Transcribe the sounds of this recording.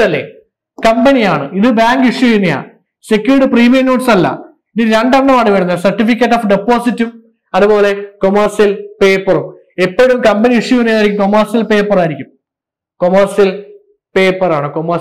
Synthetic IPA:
ɐlːḛ | kɐmbɐnijaːɳɨiðɨbaːŋɡiʂjuinːija̰ | sekʲːjuɾiʈɨpriːmenoːʈsɐlːɐ̰ | iniːɾeɳɖɐnɖɐmaːɽɨʋeɽɐnːɐsɐrʈːifik̬ʲːɐʈːoːfɖepːo̞ːsitːum | ɐðupo̞ːle̞komɐrʂɐlpe̞ːpːɐrum | epːoːɻumkɐmbɐniiʂjuʋɐnːijaːjɾikʲːumkomɐrʂjɐlpeːpːɐraːjiɾikʲːum | komɐrʂijɐl | pe̞ːpːɐraːɳɨkomɐ

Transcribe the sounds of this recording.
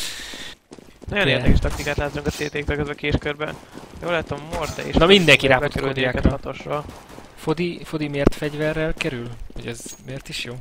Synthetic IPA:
nɒjoneːrd̪ɛkɛʃt̪ɒk̚t̪ikaːt̪laːzauŋkɒt̪seːt̪eːk̚t̪ølkɡɒzɛkeːʃkørbɛ̰joːlaːt̪ommort̪ɛ̰ḛʃnɒmind̪ɛŋkiɾaːot̪ɛɾod̪ijaːknɒt̪oʃrol | fod̪ifo̞d̪imeːrt̪fɛɟvɛrːɛlkɛɾylhoɟɛzmeːrt̪iʃjoː

